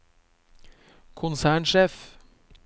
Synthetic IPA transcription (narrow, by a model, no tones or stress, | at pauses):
kʰʊnsæːɳʃeːf